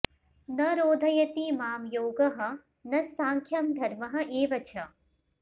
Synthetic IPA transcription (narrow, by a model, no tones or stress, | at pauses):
nɐɾoːd̪ʱɐjɐt̪imaːmjoːɡɐɦɐ̆ | nɐsaːŋkʰjɐmd̪ʱɐɾmɐɦɐ̆ʔeːʋɐt͡ʃʰɐ